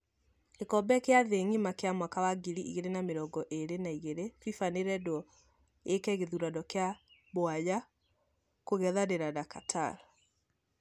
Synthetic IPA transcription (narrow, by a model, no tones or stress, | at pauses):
kekɔbɛkeaðeŋimakeamwakawaɡiɾiʔḭɣeɾenameɾɔɡɔʔeɾenaiɣeɾefifaneɾɛdwɔ | ekɛɣeðuɾadɔkeaβoaja | koɣɛðaɾeɾanakatʰa̰ɾɔ